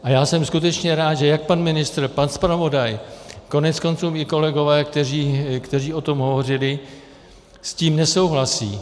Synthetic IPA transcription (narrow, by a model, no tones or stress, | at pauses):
ʔajaːsɛmskut̪ɛt͡ʃɲɛɾaːt̪ʒɛjak̚panmɪnɪst̪ɾ̩panspɾavo̞dajko̞nɛt̪t͡sko̞nt͡suːmʔɪko̞lɛɡo̞vɛːkt̪ɛriːkt̪ɛr̝iːʔo̞t̪o̞mɦo̞vo̞r̝ɪlɪ | sciːmnɛso̞wɦlasḭː